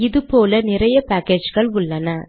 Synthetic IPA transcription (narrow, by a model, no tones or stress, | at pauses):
ɪðɯpoːlɐnɪrɐjɐpaːkeːd͡ʒɣɐɭʊɭːɐnɐ